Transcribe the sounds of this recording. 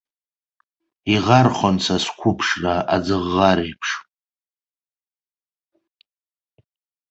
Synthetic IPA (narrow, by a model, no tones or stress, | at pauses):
iʁarχʷant͡sʰaskʷʰʊpʰʂraad͡zɨʁːaɾejpʰʂʼ